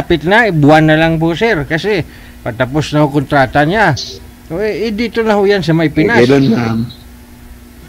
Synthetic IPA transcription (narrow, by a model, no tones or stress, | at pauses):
apɪt̪̚naɪbʊanːɐlaŋposɛɾkɐsɛ | pɐt̪ɐposnɐhokont̪ɾaːt̪aɲa | ʔoʔɛd̪iːt̪onɐhojansɐmajpɪnalonam